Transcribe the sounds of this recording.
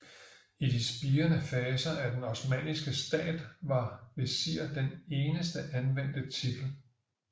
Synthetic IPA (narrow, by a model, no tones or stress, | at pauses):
id̥isb̥iːɐnəfɛːsɐæd̥enɒsmɛ̰ːnisɡ̥əsd̥ɛ̰ːd̥ʋɑ̈ʋe̝siɐ̰d̥ene̝ːnəsd̥əʔænʋen̰d̥ət͡sʰid̥l̩